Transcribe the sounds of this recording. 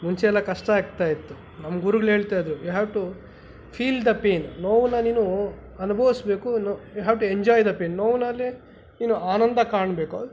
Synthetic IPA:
muɲt͡ʃɛɛlːɐkɐʂʈɐaːɡ̚t̪aːjit̪ːu | nɐmːɐɡuɾuɡɐɭe̞ːɭt̪aːjd̪ɾujuɦaːʋʈu | pʰiːld̪ɐpeːnːoːʋunːɐniːnu | ɐnubʱɐʋisbe̞ːkunojuɦɛːʋʈueɲd͡ʒaːjd̪ɐpeːnːoːʋnɐlːi | niːnuaːnɐnd̪ʱɐkaːɳɐbe̞ːku

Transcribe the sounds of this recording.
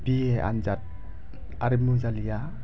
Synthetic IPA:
b̥ieʔa̰nzat̚ | aɾimuzalija

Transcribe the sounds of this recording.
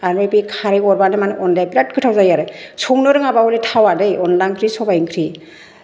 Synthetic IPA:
anebikʰaɾiɔɾbanɯmanɯʔɔnlajplat̚kʰɯtʰawzajaɾɯsʰɔŋnɯɾɯŋabawɔletʰawadɯjɔnlaŋkʰɾisɔbajŋkʰɾi

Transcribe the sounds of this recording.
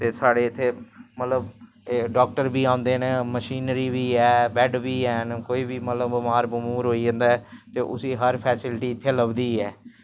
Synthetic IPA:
t̪eːsaːɽeːɪt̪ʰːeːmət̪ləb | ɖaːk̚ʈəɾbiːãːʊ̃nd̪eːneːməʃiːnɾiːbiːɛːbɛːɖbiːɛːnkoːiːbiːmət̪ləbmaːɾbʊmuːɾɦoːiːd͡ʒə̃nd̪aːɛːt̪eːʔʊsiːɦəɾpʰɛːsɪlʈiːɪt̪ʰːeːləbd̪iːɛː

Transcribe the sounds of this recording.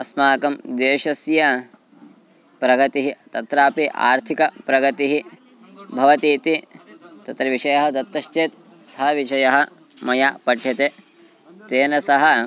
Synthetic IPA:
ɐsmaːkɐmd̪eːʃɐsjɐ | pɾɐɡɐt̪iɦit̪ɐt̪ɾaːpiʔa̰ːɾt̪ʰikɐpɾɐɡɐt̪iɦi | bʱɐʋɐt̪iːt̪it̪ɐt̪ɾɐʋiʃɐjɐɦɐd̪ɐt̪ːɐʃt͡ʃeːt̪ | sɐɦɐʋiʃɐjɐɦɐ | mɐjaːpɐɖʱjɐt̪e | t̪eːnɐsɐɦɐ

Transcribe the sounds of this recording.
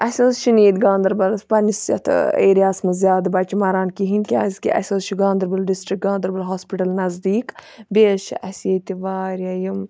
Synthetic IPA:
ʔɐsʲoːzʃuniːd̪ɡãːnd̪ɐɾbɐlspɐnisɐ̰t̪ʰḛːɾijaːsmɐzʲjaːd̪bɐt͡ʃimɐɾaːnkiɦinkʲaːzʲkḭʔɐ̰sʲoːzʃiɡãːnd̪ɐɾbɐlɖisʈɾik̚ɡãːnd̪ɐɾbɐlɦoːspiʈɐlnɐzd̪iːkbeːʃiʔɐseːt̪iʋaːɾʲɐjim

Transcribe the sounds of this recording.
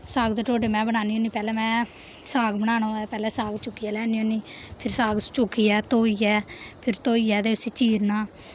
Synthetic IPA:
saːɡd̪eːʈoːɖeːmɛ̃ːbənaːniːõːniːpɛːlɛːmɛ̃ː | saːɡbəɽaːnõːɛːpɛːlɛːsaːɡt͡ʃʊkːiːɛːlɛːniːõːniːpʰɪɾsaːɡt͡ʃʊkːiːɛːt̪oːiːɛːpʰɪɾt̪oːiːɛːd̪eːsiːt͡ʃiːɾnaː

